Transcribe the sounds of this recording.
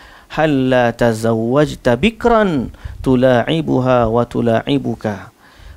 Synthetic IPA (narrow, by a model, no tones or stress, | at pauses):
halːaːt̪azawːad͡ʒt̪abɪkɾˤant̪ʊlaːʕɪbʊɦaːwat̪ʊlaːʕɪbʊka